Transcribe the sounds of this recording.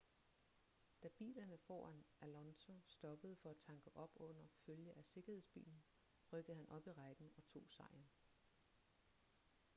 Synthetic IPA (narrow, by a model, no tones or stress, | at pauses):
d̥æb̥ḭːlɐnəfɒ̰ːænʔælɒnso̝sd̥ɒ̽b̥əð̞̩ˠfɒ̽æt͡sʰɑ̈ŋɡ̥əʔɒ̽b̥ɔ̽n̰ɐføljəʔæse̝ɡ̥ɐhe̝sb̥ḭːln̩ | ʁœɡ̥əð̩ˠhænʔɒ̽b̥iʁɑ̈ɪɡ̥n̩ɒ̽t͡sʰo̝̰ːsɑ̈ɪn